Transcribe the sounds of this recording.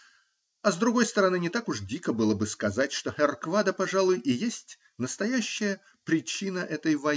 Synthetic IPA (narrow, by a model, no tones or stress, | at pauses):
ɐzd̪ɾʊɡo̞jst̪əɾɐnɨnʲɪt̪akʊʐdʲikəbɨlˠəbɨskɐzatʲʂt̪oxʲɛrkvad̪əpɐʐalˠʊjʔɪjesʲtʲ | nəst̪ɐjæɕːɪjə | pɾʲɪt͡ɕinəʔɛt̪əjvɐ